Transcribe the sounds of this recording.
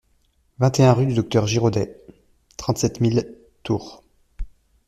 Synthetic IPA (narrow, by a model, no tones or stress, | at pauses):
vɛ̃t̪eɛ̃ʁyd̪yd̪ɔk̚t̪œʁʒiʁod̪ɛ | t̪χɑ̃t̪sɛt̪mil | t̪uːʁ